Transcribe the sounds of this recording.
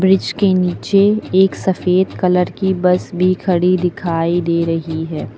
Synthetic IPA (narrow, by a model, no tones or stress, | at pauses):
bɾɪd͡ʒkeniːt͡ʃeeːksɐfeːd̪kɐləɾkibɐsbʱikʰɐɽid̪ɪkʰaːid̪eːɾɐɦiɦɛː